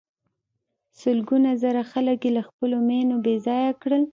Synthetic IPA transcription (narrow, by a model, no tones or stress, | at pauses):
səlɡunazaɾaxaləkjelaxpəlomenobezɑjakɽəl